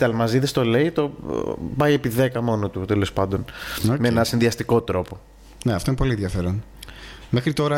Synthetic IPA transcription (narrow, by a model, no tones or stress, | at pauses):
t̪ɐlmɐziðest̪o̞le̞it̪o̞bɐie̞piðe̞kɐmo̞not̪ut̪e̞lo̞spɐnd̪o̞nomeenɐsinðiɐst̪iko̞t̪ɾo̞po̞ | neɐft̪oinepo̞lieðʝɐfe̞ɾon | mexɾit̪o̞ɾɐ